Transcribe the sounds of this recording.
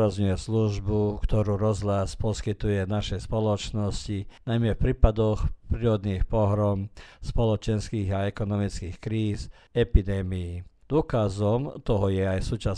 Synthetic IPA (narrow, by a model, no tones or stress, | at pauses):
ɾazɲujɛsluʒbukt̪ɔɾuːɾɔzlaspɔskit̪ujɛnaʃɛspɔlɔt͡ʃnɔscinajmɛfpɾiːpad̪ɔxpɾiːɾɔd̪niːxpɔɦɾɔmspɔlɔt͡ʃɛnskiːɣaɛkɔnɔmit͡skiːxkɾiːz | ɛpid̪ɛːmijid̪̥ʊɔkazɔmt̪ɔɦɔjɛajsuːt͡ʃa